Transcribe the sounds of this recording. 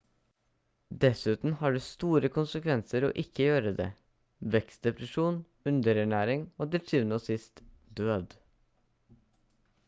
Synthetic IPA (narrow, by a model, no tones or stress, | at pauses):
d̪ɛsʉːt̪n̩hɑːɖʉːst̪uːɾəkʰʊnsəkʰʋɛnsəɾo̰ːʔɪkʰːəjøːɾəd̪ḛː | ʋɛkst̪̚d̪ɛpɾəʂuːn | ʉnd̪əɾæɳæːɾɪŋoːd̪ɪlsʰyːʋənəoːsɪst̪ | d̪øːd̪